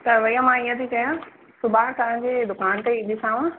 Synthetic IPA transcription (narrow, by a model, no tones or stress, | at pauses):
t̪ɐʋɐjə̃mãiə̃t̪ʰikɐjã | sʊbaːɽ̃t̪ɐʋ̤ãɲd͡ʑeːd̪ʊkaːnt̪eɪd̪ɪsaːʋũ